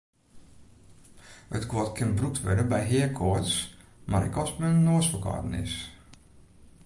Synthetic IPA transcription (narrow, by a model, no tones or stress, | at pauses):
ətkwɔtkʰɪnbruk̚tʰʋɛdəbɛjɦɪəkʰɔtsmaɾɛ̰kɔsmɛnnoəsfəkɔ̰ːtən̩ɪ̰s